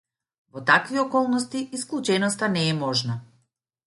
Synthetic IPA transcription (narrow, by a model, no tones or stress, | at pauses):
vɔt̪akviɔkɔlˠnɔst̪iʔisklˠut͡ʃɛnɔst̪anɛːmɔʒna